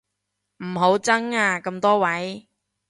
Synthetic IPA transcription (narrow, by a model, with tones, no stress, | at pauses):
m̩˨˩ɦo˨˥wt͡sɐ˥ŋaː˧kɐ˧mt̪ɔː˥wɐ˨˥j